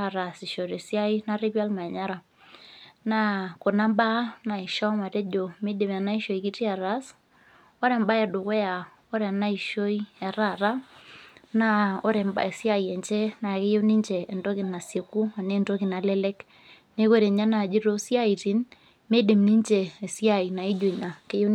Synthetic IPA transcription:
a˨ɾa˨si˨ʃo˨ɾe˨sja˦i˦na˦re˦pja˦lma˨ɲa˦ɾa˨ | na˦ko˨na˦mba˦na˨i˨ʃɔ˦ma˨te˦d͡ʒo˨me˦de˨ma˨na˦i˦ʃo˨i˨ki˦ti˦a˨ɾa˦s | o˦ɾɛ˨mba˦ɛ˨dʊ˨ko˦ja˨ | o˦ɾɛ˨na˦i˨ʃo˦i˦ɛ˨ɾa˦˨ɾa˦ | na˦o˦ɾɛ˨mba̰˨e˨sja˦˨jɛ˨nt͡ʃe˦na˨ke˦jo˦ni˦nt͡ʃeː˨ndo˦kɪ˨na˨sje˨ku˦a˨ne˦nto˦ki˨na˨lɛ˦le˦k | ne˦ko˦ɾe˨ɲa˦na˨d͡ʒi˦ɾo˦sja˦i˨ti˦n | me˦di˨mni˦nt͡ʃeː˨sja˦˨i˨na˨i˦d͡ʒo˨i˨na˨ke˦jo˦

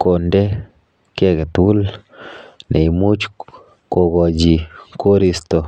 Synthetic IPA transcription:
ko˨nde˦ | ke˦ɡe˨t̪wu˦l | nɛ˨i˨mu˦t͡ʃ | ko˨ɡɔ˨d͡ʒi˨ko˦ɾi˦st̪o˨

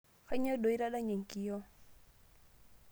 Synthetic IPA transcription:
a˦ɲ˦ɔ˦do˨i˦ɾa˦ɗa˦ɲe˨ŋ̩˨kʼi˦jɔ˦

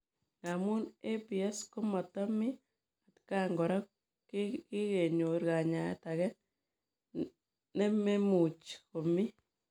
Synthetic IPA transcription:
ŋɡa˨mu˦ne˦pi˨a˦sko˦ma˨t̪ɔ˦mi˦ | a˨tka˦ŋɡɔ˨ɾa˦k | kki˦ɣe˨ɲo˨ɾɡa˨ɲa̰˨˦ta˨ɣɛ˦n | ne˦me˦mu˨t͡ʃko˨mi˦

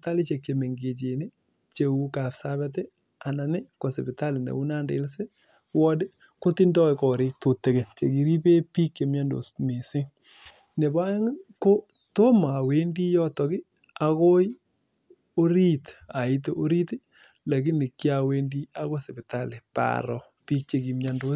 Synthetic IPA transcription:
ta˦li˦t͡ʃe˨kːe˨me˨ŋɡe˨t͡ʃe˨ni˦ | t͡ʃe˨u˦ka˨psa˦bɛt̬ɛ˦ | a˨na˨nɪ˦ko˨se˨bɪ˨ta˦lɪ˨nḛ˨u˦na˦ndḛ˨˦lse˦ | wɔ˦dɪ˦ | ko˦ti˦ndɔ˦˧kɔ˨ɾɪ˦k̚to˨tːe˨ke˨t͡ʃḛ˨ki˨ɾi˦pe˦pi˦ke˨mja˦ndo̰˨sme˨sɪ˦ŋ | ne˨ba˦je˦ŋɪ˦ko˦ | to˦ma˨we˦ndi˦jɔ˦tɔ˨ɡɪ˦ | a˨ko˦j | o˦ɾi˦ta˨ɪ˦t̬eʔo˦ɾi˦tɪ˦ | la˨kɪ˦nɪ˨kːi˦a˨we˦ndi˦a˦ko˦se˨bɪ˨ta˦lɪ˨pa̰ɾɔ˨ | piː˦k̚t͡ʃe˨ki˨mja˦ndo˦

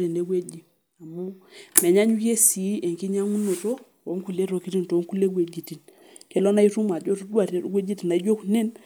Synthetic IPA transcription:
ɾe˨ne˦ɡwe˦d͡ʒi˨ | a˨mo˦mɛ˨ɲa˦ɲu˦ke˦si˨˦e˨ŋki˦ɲa˦ŋu˦no˨to˦ | o˨˦ŋku˨le˦ɾo˨ki˦ɾi˦n˨to˨˦ŋku˦le˦ɡwe˨d͡ʒi˨ti˨n | ke˦lɔ˦na˦i˦ɾu˦ma˨d͡ʒo˦ɾdwa˨ɾe˨˦ɡʷwe˦d͡ʒi˦ti˨na˨i˦d͡ʒo˦kne˦n

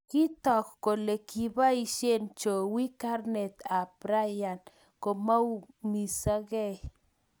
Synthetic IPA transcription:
ki˦t̪o˨kːo˨le˨ki˨ba˦jʃje˦nt͡ʃo˨wi˦ka˦ɾne˨t̪a˨pɾa˦ja˨n | ko˨mo˦wmi˨sa˦ɡe˦

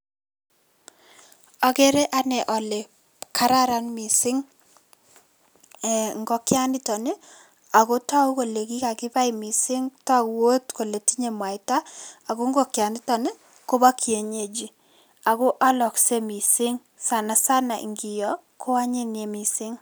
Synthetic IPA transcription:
a˨ke˦ɾe˦ʔa˦nɛ˨ʔɔ˨le˨ | kʰa˦ɾa˦ɾa˦nmi˨sɪ˦ŋ | ɛ˨ŋɡɔ˨kja˦nɪ˦tɔ˨ne˦ | a˨ko˦ta˦u˦ko˨le˨ki˦ka˨kɪ˦pa˦i˨mi˨sɪ˦ŋta˦kwo˦tko˨le˨ti˦ɲe˨mwa˨ɪ˨ta˦a˨ko˦ŋɡo˦˨kja˨nɪ˦tɔ˨ne˦ | ko˦ba˦kje˨ɲe˦˨d͡ʒi˦ | a˨ko˦ʔa˦lɔ˨kse˦mi˨sɪ˦ŋ | sa˨na˨sa˦na˨ʔḭ˨ŋɡi˨jɔ˨ | ko˦a˦ɲe˦ne˨mi˨sɪ˦ŋ

